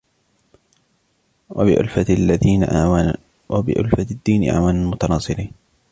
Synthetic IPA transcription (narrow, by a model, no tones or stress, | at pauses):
ɪʔʊ̰lfalːaiːʔ | wbɪ̰ʔʊ̰lfad̪ːiːnʔa̰ʕwaːnamʊt̪ɑnɑːsˤɨɾiːn